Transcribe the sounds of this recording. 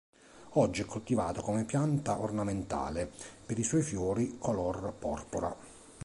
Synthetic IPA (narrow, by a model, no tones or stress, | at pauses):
ɔd͡ʒːiɛkːolt̪ivaːt̪okomepjant̪aʔornament̪a̰ːlepeɾiswɔjfjɔːɾikʰolɔrpɔ̰rpoɾa̰